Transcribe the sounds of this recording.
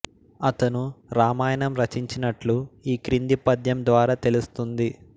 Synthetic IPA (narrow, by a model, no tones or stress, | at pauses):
ɐt̪ɐnuɾaːmaːjɐnɐmɾɐt͡ʃiɲt͡ʃinɐʈluiːkɾind̪ipɐd̪jɐmd̪ʋaːɾaːt̪e̞lust̪und̪i